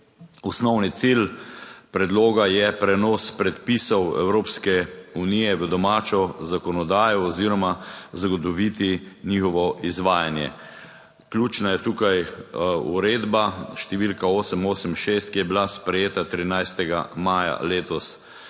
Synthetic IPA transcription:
ɔsnɔwnit̪silpɾɛd̪loːɡajɛpɾɛnɔːspɾɛt̪pisɔwɛ̰wɾoːpskɛunijɛʋəd̪ɔmaːt͡ʃɔzakɔnɔd̪aːjɔːziɾɔmazaɡɔt̪̬ɔʋit̪inixɔʋɔʔizʋaːjanjɛ̰ | klʲjuːt͡ʃnajɛt̪uːkajṵɾeːd̪baʃt̪ɛʋilkaoːsəmoːsəmʃest̪̚kijɛbilaspɾɛjeːt̪at̪ɾinajst̪ɛɡa̰maːja̰leːt̪ɔs

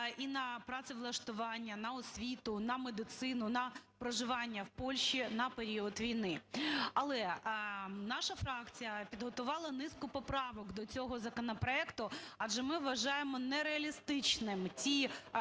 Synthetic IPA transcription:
inɐpɾɑsɪʋlˠɐʃt̪ʊʋɑnʲːɐnɐɔsʲʋʲit̪ʊnɐmed̪ɪt̪sɪnʊnɐpɾɔʒɪʋɑnʲːɐwpɔlʲʃinɐpeɾʲiɔt̪ʋʲijnɪɐlˠɛ | nɑʃɐfɾɑkt͡sʲijɐpʲid̪ɦɔt̪ʊʋɑlˠɐnɪskʊpɔpɾɑʋɔkd̪ɔt͡sʲɔɦɔzɐkɔnɔpɾɔɛkt̪ʊɐʒɛmɪʋːɐʒɑjemɔnɛɾeɐlʲist̪ɪt͡ʃnɪmtʲi

